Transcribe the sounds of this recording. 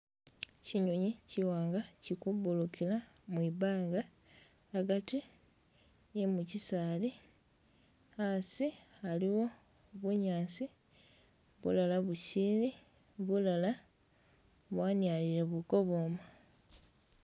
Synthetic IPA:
ciɲoɲiciwaːŋɡacikubulukilamwiβaːŋɡaː | ɡati | imucisaːli | asialiwo̞ | βuɲaːnsi | βṵlalaβusiːni | βulala | βwaːnjaːliɾeβuko̞βoːma

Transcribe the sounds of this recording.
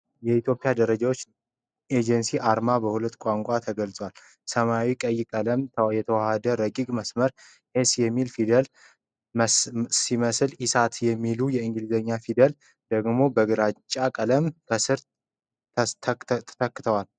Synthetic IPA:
jɛit̪jo̞pʼijad̪əɾəd͡ʒawo̞t͡ʃː | ed͡ʒənsiʔaɾmabəhulət̪ːkʷʼaŋkʷʼat̪ʰəɡəlt͡sʼwal | səmawikʼəjːkʼələmjɛt̪ʰəwahəd̪əɾəkʼiɡʼməsməɾ | hesjɛmːilfid̪əl | siməslisat̪jɛmːilujɛɨŋɡɨlɨzəɲːafid̪əl | d̪̥əɡmo̞bəɡɨɾat͡ʃʼːakʼələmkʰəsɨɾ | t̪ʰt̪ʰə̥t̪ʰəkːɨ̥t̪ʰəwal

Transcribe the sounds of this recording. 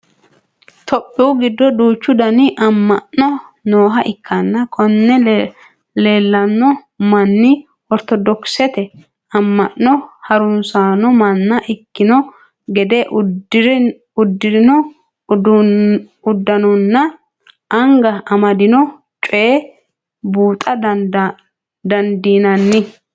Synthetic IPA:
t̪ɔpʼːɪʊɡɪd̪ːɔd̪uːt͡ʃːʊd̪ɐnɪʔɐmːɐʔɔnoːɦɐʔɪkːɐnːɐkʰʼɔnːɛ | le̞ːlːɐnːɔ | mɐnːɪ | ɔɾt̪ɔd̪ɔksɛt̪ɛ | ɐmːɐʔːɔhɐɾʊnsaːnɔmɐnːɐʔɪkːɪnɔ | ɡɛd̪ɛʔɾ | ʊd̪ːɪnɔ | ʊd̪ːɐnɔnːɐ | ɐŋɡɐʔɐmɐd̪ɪnɔ | t͡ʃʼʊe | buːt̪ʼɐd | d̪ɐnd̪iːnɐnːɪ

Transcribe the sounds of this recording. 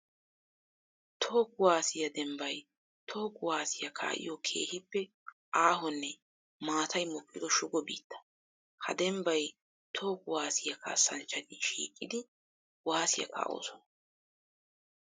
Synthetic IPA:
t̪ʰoːkʊwaːsɪjɐd̪ɛmbɐj | t̪ʰo̞ːkːʊwaːsɪjɐkʰa̰ːʔɪ̰jokʰe̞̰ːhɪpːɛ | ʔaːɦɔnːɛ | maːt̪ʰɐjmɔkʼːɪd̪ɔʃʊɡɔbḭːt̪ːɐ̥ | hɐ̰d̪ɛmbɐj | t̪ʰo̞ːkʊwaːsɪjɐkʰa̰ːsɐnt͡ʃːɐnɪʃḭːkʼːɪd̪ɪ | waːsɪjɐ̰kʰa̰ːʔo̰ːsɔnɐ

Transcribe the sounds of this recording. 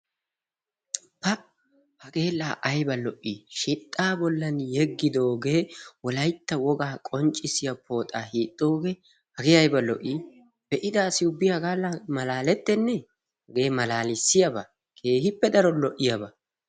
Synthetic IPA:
pɐ | hɐɡe̞ːlːaːʔɐjbɐlɔʔːiʃɪt̪ʼːaːbɔlːɐnjɛɡːɪd̪o̞ːɡe̞ːwɔlɐjt̪ːɐwɔɡaːkʼɔnt͡ʃʼːɪsɪjɐpʰo̞ːt̪ʼaːhiːt̪ʼːo̞ːɡe̞ː | hɐɡeɐjbɐlɔ̰ʔi | b̥ɛʔɪd̪aːsɪʊbːɪjɐɡaːlːamɐlaːlɛt̪ːɛnːɛ | ɡe̞ːmɐlaːlɪsːɪjɐbɐ | kʰe̞ːhɪpːɛd̪ɐɾɔlɔʔːɪjɐbɐ

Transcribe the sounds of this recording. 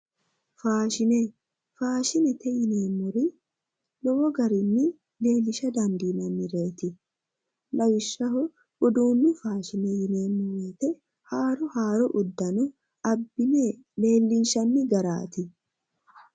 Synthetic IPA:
faːʃɪnɛ | faːʃɪnɛt̪ɛjɪneːmːʊɾɪ | lɔwɔɡɐɾɪnːɪ | le̞ːlːɪʃɐd̪ɐnd̪iːnɐnːɪɾe̞ːt̪ɪ | lɐwɪʃːɐɦɔ | ʊd̪uːnːɪfaːʃɪnɛjɪneːmːʊɾɛt̪ɛ | haːɾɔhaːɾɔʔʊd̪ːɐnʊ | ɐbːɪne | le̞ːlːɪnʃɐnːɪɡɐɾa̰ːt̪ɪ

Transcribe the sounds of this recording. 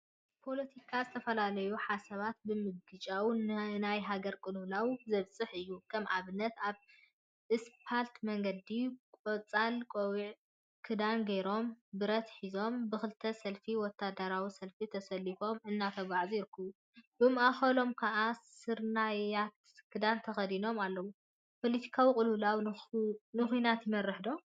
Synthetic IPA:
pʰo̞lɐt̪ʰikʰazɨt̪ʰɐfɐlalɐjuħasɐβat̪̚bɨmɨɡɡɨt͡ʃʼawnnajɦaɡɐɾkʼɨlulawzɐβt͡sʼɨħɨjːukʰɐmʕaβɨnːɐt̪aβ | ʔɨspʰalt̪mɐŋɡɐd̪ikʼot͡sʼːalkʼowiʕ | kʰɨd̪anɡɐjɾo̞mbɨɾɐt̪ħizo̞mbɨxɨlt̪ʰːɐsɐlfiwɔt̪ʰːad̪aɾawisɐlfit̪ʰɐsɐlːifo̞mɨnːat̪ʰɐβaʕzijɪɾɨkʰːɐβu | bɨmʔaxɐlo̞mkʰɐʔasɨɾnajat̪ | kʰɨd̪ant̪ʰɐxɐd̪ino̞malːɐwu | pʰolit̪ʰi̥kʰawikʼɨlulaw | nɨxinat̪jɪmɐrːɨħd̪o̞

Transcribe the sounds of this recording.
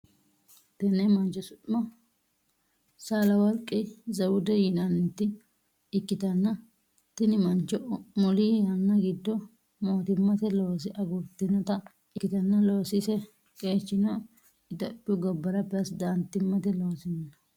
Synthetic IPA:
t̪ɛnɛmɐnt͡ʃːɔsʊtʼmɔ | saːlɐwɔɾkʼːɪzɐwʊd̪ɛjɪnɐnːɛt̪ːɪ | ɪkːɪt̪ɐnːɐ | t̪ɪnɪmɐnt͡ʃːɔmɔlijɐnːɐɡɪd̪ːɔ | moːt̪ɪmːɐt̪ɛlo̞ːs̬ɪʔɐɡʊɾt̪ːɪnɔt̪ɐ | ɪkːɪt̪ɐnːɐlo̞ːsɪsɛ | kʼe̞ːt͡ʃːɪnɔ | ɪd̪ɐpʼːɪʊɡɐbːɐɾɐpːɛɐsd̪ant̪ːɪmːɐt̪ɛlo̞ːsɪnːɐ

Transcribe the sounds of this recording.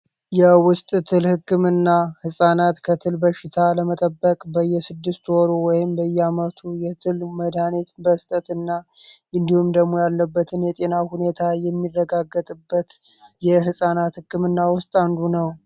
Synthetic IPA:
jɛwʊst̪ʼt̪ʰɨlhɨkːɨmɨnːahɨsʼanat̪kʰət̪ʰɨlbəʃɪt̪ʰaləmət̪ʼəbːəkʼbəjːɛsɨd̪ːɨst̪wɔɾowɔjɪmbəjːɛamət̪ʰujɛt̪ʰɨlməd̪anet̪bəst̪ʼət̪ɨnːa | ʔɨnd̪ihumd̪əɡmːojalːəbːət̪ʰɨnjɛt̪ʼe̞nahune̞t̪ʰajɛmːirːəɡaɡːət̪ʼɨbːət̪ | jɛɦɨsʼanat̪hɨkʰːɨmɨnːawʊst̪ʼand̪unəw

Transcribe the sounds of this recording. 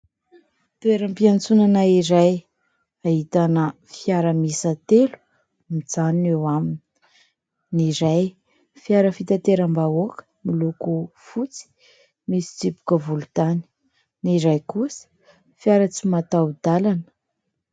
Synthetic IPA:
t̪ueɾəmpiant͡sunanaiɾaj | aɦit̪anə | fijaɾəmisat̪elu̥ | mid͡zanewamini̥ | niɾaj | fiaɾəfit̪at̪eɾəmbaokə̥milukufut͡si̥ | misi̥t͡sipu̥kəvulut̪ani̥ | niɾajkusə̥ | fjaɾət͡simat̪awd̪alanə̥

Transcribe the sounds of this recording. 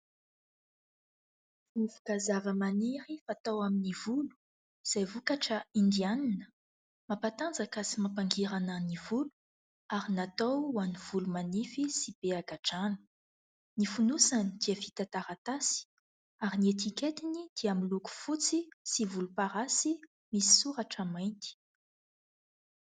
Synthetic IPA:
ifu̥kazavəmaniɾifaːt̪awaminivulu̥ | z̥ajvukaʈ͡ʂəind̪ianinə | mapat̪and͡zakasimapaŋɡiɾanənivulu̥ | aɾinat̪awwaniv̥ulumanifisib̥eaɡaʈ͡ʂanə̥ | nifunusanid̪̥iəfit̪at̪aɾat̪asi̥ | aɾiniet̪iket̪inid̪̥iamiluku̥fut͡sisivulupaɾasi | misi̥suɾaʈ͡ʂamajnt̪i̥

